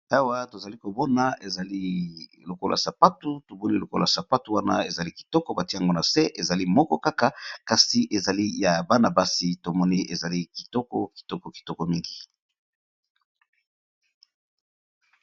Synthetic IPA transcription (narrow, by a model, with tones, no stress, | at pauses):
a˦wa˦to˨za˨li˦ko˨bɔ˦na˨e˨za˨li˦ | lo˨ko˦lʔa̰˨sa˨pa˦tu˦to˨bo˦li˦lo˨ko˦la˨sa˨pa˦tu˨wa˦na̰˦e˨za˨li˦ki̥˨tɔ˦kɔ˦ba˨ti˦ja˨ŋɡo˦na˨se˦ʔe˨za˨li˦mɔ˦kɔ˦ka˦ka˦ka˨si˨ʔe˨za˨li˦ja˨ba˦na˨ba˦si˨to˨mɔ˦ni˦ʔe˨za˨li˦ki̥˨tɔ˦kɔ˦ki̥˨tɔ˦kɔ˨ki̥˨tɔ˦kɔ˨mi˦ŋɡi˨